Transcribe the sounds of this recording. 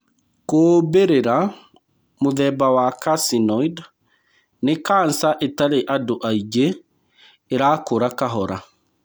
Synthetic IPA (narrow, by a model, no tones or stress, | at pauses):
koːbeɾeɾa | moðɛbawakasinɔid | nekansaʔetaɾeʔadoʔaid͡ʒeː | ɾaːkoɾakaɦɔɾa